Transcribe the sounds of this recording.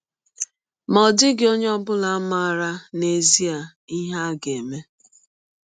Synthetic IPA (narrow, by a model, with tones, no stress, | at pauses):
mɔ˨dɪ˦ɡɪ˨o˦ɲ˦ɔ˦bʊ˦la˨a˦ma˦a˨ɾa˦ne˨zi˦a˨ | i˦ɦa˦ɡe˨me˦